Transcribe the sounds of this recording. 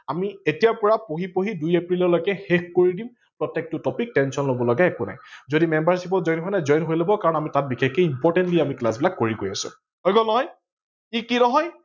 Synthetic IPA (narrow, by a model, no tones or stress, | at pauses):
amietijaɹpɔɹapoɦipoɦidujepɹilɔɹlɔjkɛxek̚koɹidim | pɹɔtːek̚tʊtɔpik̚tɛnsɔnlobɔlɔɡaɛkʊna̰jzodimɛmbaɹsip̬ɔzɔjnkʰɔnazɔjnɦojlobɔkaɹɔnamitat̚bixekeimpɔɹtɛntliamiklasbilakːoɹiɡojasʊ̰ | ɦojɡɔlnɔɦɔj | ikinɔɦɔj